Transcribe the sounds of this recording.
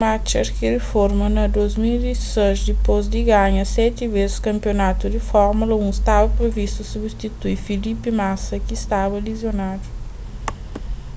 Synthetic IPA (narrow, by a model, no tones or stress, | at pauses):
mat͡ʃɐɾkɪdɪfoɾmɐnɐd̪ojzmild̪isezd̪ɪpozd̪ɪɡaɲɐsɛt̪ivezɪskɐ̃mpionat̪ud̪ɪfɔɾmulɐũist̪avɐpɾevist̪usubist̪it̪uiɾfilipɪmasɐkɪːst̪avɐlizjonad̪u